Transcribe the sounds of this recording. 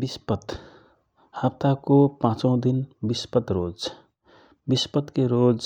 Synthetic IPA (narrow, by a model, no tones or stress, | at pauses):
bispət̪ | hapt̪akopãt͡ʃə̃w̃d̪inbispət̪ɾod͡ʒ | bispət̪keɾod͡ʒ